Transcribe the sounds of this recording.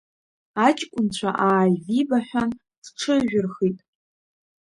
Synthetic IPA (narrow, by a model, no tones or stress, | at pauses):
at͡ʃʼkʷʼʊnt͡ɕʷʰa̰ʔaːjzibaħᶣʷan | sʈ͡ʂʰɨʒʷᶣʊrχitʼ